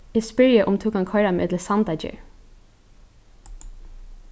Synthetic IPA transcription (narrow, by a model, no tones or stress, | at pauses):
iːspœɹjəʔʊmt̪ʰuːkɑŋkʰɔɹɑmḛːd̪ləsɑnd̪ɑd͡ʒə̰